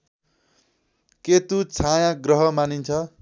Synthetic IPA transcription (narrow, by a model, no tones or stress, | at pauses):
ket̪ut͡sʰajãɡrʌɦʌmanint͡sʰʌ